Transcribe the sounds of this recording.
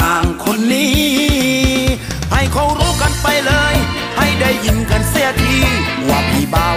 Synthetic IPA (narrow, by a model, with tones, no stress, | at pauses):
ʔaː˨˩ŋkʰo˧˥nːiː˦˥˩ | ha˧˩jkʰɔ˧˩wɾuː˦˧˥ka˧npa˧jlɤː˧j | ha˧˩jda˧˩jːi˨˧nka˧˥nsi˧˩ət̪̚ʰiː˧˩˨ | waː˧˩miː˧˩baː˧